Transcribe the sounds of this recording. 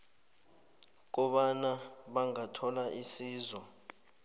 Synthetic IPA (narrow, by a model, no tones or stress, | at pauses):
k̬ɔɓanaɓaŋatʰɔlaʔisiːzwɔ